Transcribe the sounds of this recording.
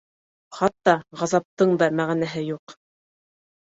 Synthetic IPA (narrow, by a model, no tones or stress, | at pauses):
χɑt̪ːɑʁɑzɑp̚t̪ɤɴd̪ɑmæʁænæɦɘjuq